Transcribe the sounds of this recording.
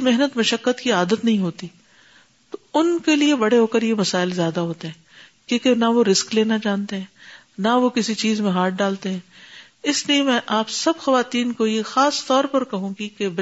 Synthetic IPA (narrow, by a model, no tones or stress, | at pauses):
meɦnət̪mɐʃəkːət̪kiaːd̪ət̪nɐɦĩɦoːt̪i | t̪oʊnkeliebɐɽeɦoːkəɾjemɐsaːɪlzjaːd̪aɦoːt̪eɦɛ̃ːkjõːkenaʋoɾɪskleːnad͡ʒãːnt̪eɦɛ̃ː | naʋokɪsit͡ʃiːzmẽɦaːʈ̚ɖaːlt̪eɦɛ̃ː | ɪsliemɛ̃ʔaːpsɐbxɐʋaːt̪iːnkojexaːst̪ɔːɾpɐɾkɐɦũɡikeb